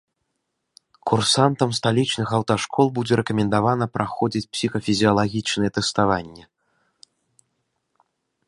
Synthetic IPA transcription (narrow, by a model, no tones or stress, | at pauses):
kursant̪ɐmst̪alʲit͡ʂnɨxɐwt̪aʂkʰɔlˠbud͡zʲɛɾɛkɐmʲɛnd̪avanɐpɾaxɔd͡zʲit͡sʲpsʲixɐfʲizʲiɐlˠaɣʲit͡ʂnɨjɛt̪ɛst̪avanʲːɛ